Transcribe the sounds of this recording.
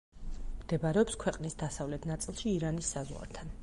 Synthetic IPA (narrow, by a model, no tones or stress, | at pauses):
md̪̥ɛbaɾɛɔpskʰwɛqʼnisd̪asavlɛt̪ʰnat̪sʼilˠʃiːɾanisːazwa̰ɾt̪ʰan